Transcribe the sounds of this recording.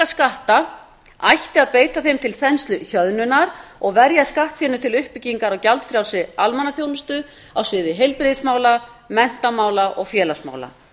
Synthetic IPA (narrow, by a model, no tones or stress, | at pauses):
askaht̪a | a̰jht̪ɪaðpeːjt̪aθejmt̪ʰɪlθɛnst̪lʏçœðnʏnaɾɔɣvɛɾjaskaht̪fjɛnʏt̪ʰɪlʏhpɪcːiŋkaɾawcalt̪fɾjawsɪalmanːaθjownʏst̪ʏ | awsvɪːðɪɦejlpɾɪðsmaːwla | mɛn̥t̪amaːwlaʔɔɣfjɛːlasma̰ːwla̰